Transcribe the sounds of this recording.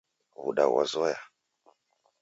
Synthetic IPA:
βṵɗa̰wa̰zɔja

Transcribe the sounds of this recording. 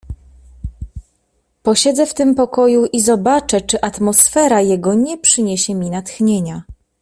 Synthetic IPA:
pɔɕɛd̪zɛft̪ɘmpɔkɔjuʔizɔbat͡ʂɛt͡ʂɘʔat̪mɔsfɛɾajɛɡɔɲɛpʂɘɲeɕɛmʲinat̪xɲeɲa

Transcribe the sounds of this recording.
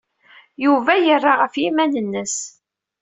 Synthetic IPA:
juvæjərˤːaʁəfjimænənːəs

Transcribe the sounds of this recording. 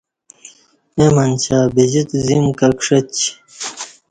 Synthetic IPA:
emɐnt͡ɕʰaːbid͡ʑit̪zimkɐkʂɐt͡ɕ

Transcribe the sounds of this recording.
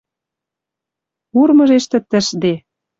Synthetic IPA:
urmɤ̆ʒeʃt̪ɘ̆t̪ə̆ʃd̪e

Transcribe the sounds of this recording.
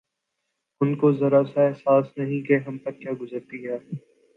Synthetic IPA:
ʊnkozɐɾasaɛɦsaːsnɐɦĩkeɦɐmpɐɾkjaːɡʊzəɾt̪iɦɛː

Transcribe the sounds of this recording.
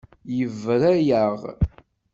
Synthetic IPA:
jəvɾæjəʁ

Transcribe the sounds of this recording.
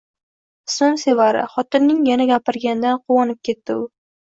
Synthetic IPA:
sʊnse̞vaɾɪ̰χɒt̪ɪnːɪŋjanaɡʲapɪɾɡʲand̪anqʰʊwɒnɪp̚kʲʰe̞t̪ːɪʊ

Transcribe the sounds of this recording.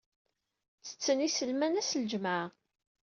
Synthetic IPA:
t͡sːə̥t͡sːənisəlmænæsld͡ʒma

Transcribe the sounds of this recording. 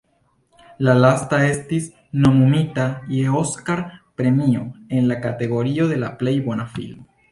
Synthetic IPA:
lalast̪ae̞st̪is | no̞mumit̪ajeoskaɾpɾe̞mioe̞nlakat̪e̞ɣo̞ɾio̞ðe̞laple̞jbo̞nafḭlmo

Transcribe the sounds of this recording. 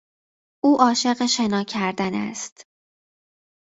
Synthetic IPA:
ʔuːʔɒːʃe̞ɢeʃe̞nɒːcʰæɾd̪ænæ̰st̪

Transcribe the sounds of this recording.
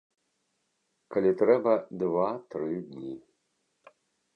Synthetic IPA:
kʰɐlʲit̪ɾɛbɐd̪vat̪ɾɨɡi

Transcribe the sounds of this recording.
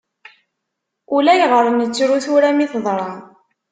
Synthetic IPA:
ulæjʁəɾˤənət͡sːɾuθuɾæmiθðˤɾˤɑn

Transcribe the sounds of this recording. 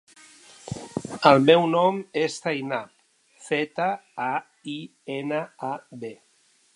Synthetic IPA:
əlˠmewnɔmest̪ajnap | fet̪əa | i | enəaβe

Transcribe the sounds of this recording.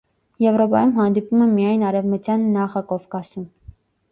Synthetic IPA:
jɛvɾɔpɑjumɦɑnd̪ipumɛmijɑjnɑɾɛvmut͡sjɑnːɑχɑkɔfkɑsum

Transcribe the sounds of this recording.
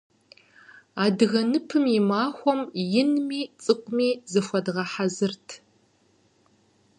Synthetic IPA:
aːdɨɣɐnɨpʰɨmimaːxʷɔmjɪnmiːt͡sʼɨqʷʼʊmiːzɨfʷɔdʁɐħazɨrtʰ

